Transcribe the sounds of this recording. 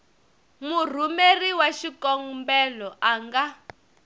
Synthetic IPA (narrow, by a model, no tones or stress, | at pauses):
mur̤umeriwaʃikɔŋmbɛlɔʔaŋɡa